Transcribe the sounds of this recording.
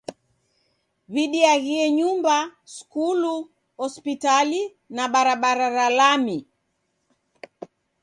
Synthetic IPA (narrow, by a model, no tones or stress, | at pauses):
βiɗiaɣiɛɲumbaskulu | hɔspitali | naɓaɾaɓaɾaɾalami